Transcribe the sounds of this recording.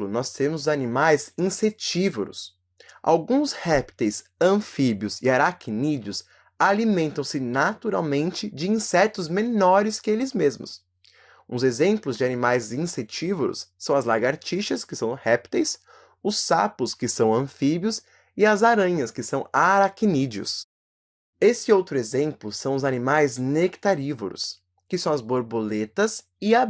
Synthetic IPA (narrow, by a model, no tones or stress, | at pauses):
lʊnɔst̪ẽmʊzanimajzĩset͡ʃivoɾʊ̰s | ʔa̰wɡũshɛpt̪ejsɐ̃fibiʊzɪaɾakinid͡ʒʊs | alimẽnt̪ɐ̃w̃sɪnat̪uɾawmẽnt͡ʃɪd͡ʒɪĩsɛt̪ʊzmenɔɾɪskɪelɪzmezmʊ̰s | ũzezẽmplʊzd͡ʒɪanimajzĩset͡ʃivoɾʊ̰sːɐ̃w̃ɐzlaɡaɾt͡ʃiʃɐskɪsɐ̃w̃hɛpt̪ejs | ʊsːapʊskɪsɐ̃w̃ɐ̃fibjʊs | ɪɐzaɾɐ̃ɲɐskɪsɐ̃w̃aɾakinid͡ʒiʊ̰s | esɪowt̪ɾʊezẽmplʊsɐ̃w̃ʊzanimajznekt̪aɾivo̰ɾʊ̰s | kɪsɐ̃w̃ɐzboɾbolet̪ɐs | ɪab